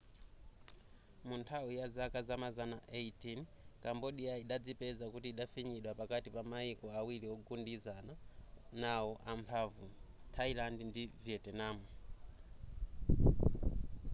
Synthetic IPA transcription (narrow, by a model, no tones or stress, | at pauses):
muntʰawijazakazamazanaʔetinkambɔɗijaiɗad͡zipɛzakutiːɗafiɲiɗwapakatipamaikɔawiliɔɡundizananawɔʔampʰavutʰailandndivjɛtɛnamu